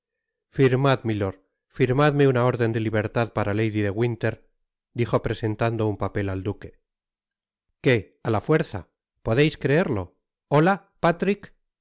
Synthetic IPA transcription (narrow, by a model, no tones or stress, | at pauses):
fiɾmaðmilo̞ɾ | fiɾmaðme̞unao̞ɾðe̞nd̪e̞liβ̞e̞ɾt̪aðpaɾale̞jðiðe̞ɣwint̪e̞ɾ | d̪ixo̞pɾe̞se̞nt̪and̪o̞umpape̞lald̪uke̞̥ | ke̞ | alafwe̞ɾθa̰ | po̞ðejskɾe̞e̞ɾlo̞ | ola | pat̪ɾik